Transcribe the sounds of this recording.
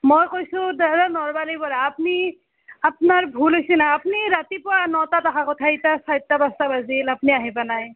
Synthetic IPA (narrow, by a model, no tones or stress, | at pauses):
mojkojsudadanɔɹmalipɔɾaːpni | ap̚naɹbʱulɦojsinaːpniɾat̪ipɔanɔt̪atakʰakɔtʰait̪asajt̪ːabast̪abazilapniaɦepanaj